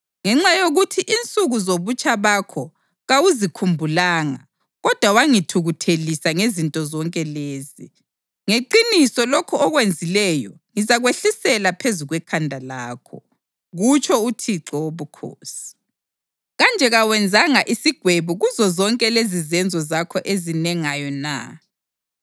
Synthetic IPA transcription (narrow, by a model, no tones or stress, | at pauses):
ŋɛŋ͡ǁajoɣutʰiʔint͡sʼuɣuzoβut͡ʃʼʰaβakʰɔ | ɣawuzikʰumbʱulaːŋa | ɣɔd̥ʱwawaŋitʰuɣutʰelisaŋezintʼɔzɔŋkʼɛleːzi | ŋeǃinisɔlɔkʰɔɔɣwend͡zʱilɛjɔ | ŋizaɣweɬisɛlapʰezuɣwɛkʰandʱalaːkʰɔ | ɣut͡ʃʰɔutʰiǁɔwoβukʰo̰ːsi̥ | ɣand͡ʒʱɛɣawɛnd͡zʱaŋaʔisiɡ̥ʱweβuɣuzɔzɔŋkʼɛlezizɛnd͡zʱɔzakʰɔʔezinɛŋajɔna̰